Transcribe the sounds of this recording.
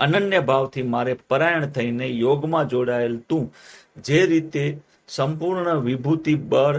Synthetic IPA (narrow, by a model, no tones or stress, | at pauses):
ənənjəbʱaʋt̪ʰimaɾepəɾajəɳ̃t̪ʰəinejoɡmãd͡ʒoɽaelt̪ũd͡ʒeɾit̪e | səmpuɾɳəʋɪbʱut̪ibəɽ